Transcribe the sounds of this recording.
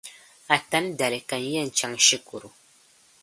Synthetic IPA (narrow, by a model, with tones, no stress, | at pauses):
a˨ta˦n˦da˨lɪ˨ka˨n˦jɛ˦˨n̩˨t͡ʃa˦ŋʃi˦ku˨ɾu˨